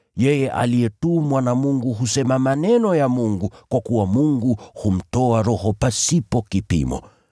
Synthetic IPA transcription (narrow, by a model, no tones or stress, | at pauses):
jɛjɛʔa̰lijɛtumwanamuŋɡuɦusɛmamanɛnɔjamuŋɡukwakuwamuŋɡuhum̩tɔaɾɔhɔpasipɔkipḭmɔ̰